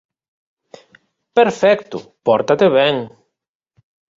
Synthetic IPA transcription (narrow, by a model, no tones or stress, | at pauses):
peɾfɛkt̪ʊ̰pɔɾt̪at̪eβɛŋ